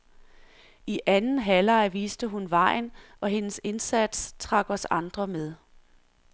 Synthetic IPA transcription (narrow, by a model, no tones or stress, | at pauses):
iʔænn̩ɦælɑ̈ɪʋiːsd̥əɦunʋɑ̈ɪ̰nʔɒ̽ɦe̝nəse̝nsæd̥st͡sʰʁɑ̈ɡ̥ɒsɑ̈nd̥ʁɐmeð̞ˠ